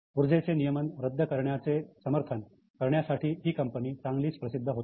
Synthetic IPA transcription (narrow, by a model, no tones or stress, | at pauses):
uɾd͡zet͡senijəmənɾəd̪ʱːəkəɾɳjat͡sesəməɾt̪ʰən | kəɾɳjasaʈʰiːɦiːkəmpəniːt͡saŋɡliːt͡spɾəsid̪ʱːəɦot̪